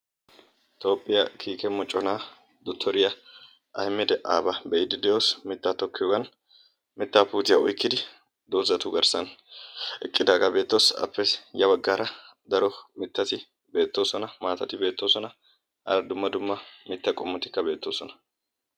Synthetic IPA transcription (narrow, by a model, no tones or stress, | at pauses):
t̪o̞ːpʼːɪjɐkʰiːkɛmɔt͡ʃʼːɔnaː | d̪ɔt̪ʰːɔɾɪjɐ | ʔɐ̰jmːɪd̪ɛʔaːbɐbɛɪd̪ɪd̪ɛjoːsmɪt̪ːat̪ɔkːɪjoːɡɐn | mɪt̪ːaːpuːt̪ɪjɐɔjkːɪd̪ɪ | d̪oːzɐt̪ʊɡɐɾsɐn | ɛ̰kʼːɪd̪aːɡɐbe̞ːt̪ːo̞ːsɐ̰pːɛjɐbɐɡːaːɾɐ | d̪ɐɾɔmɪt̪ːɐt̪ɪ | be̞ːt̪ːo̞ːsɔnɐmaːt̪ɐt̪ɪbe̞ːt̪ːo̞ːsɔnɐ | ʔɐ̰ɾɐd̪ʊmːɐd̪ʊmːɐmɪt̪ːɐkʼɔmːɔt̪ɪ̥kːɐbe̞ːt̪ːo̞ːsɔnɐ̥